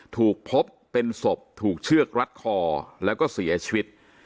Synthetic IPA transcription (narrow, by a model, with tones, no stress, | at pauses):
t̪ʰuː˨˩k̚pʰo˦˥pːe˧nso˨˩p̚t̪ʰuː˨˩k̚t͡ɕʰɯ˥˩ək̚ɾa˦˥t̪̚kʰɔː˧lɛː˦˥wkɔː˥˩si˨˩˦ɐ˦t͡ɕʰiː˧wi˦˥t̪̚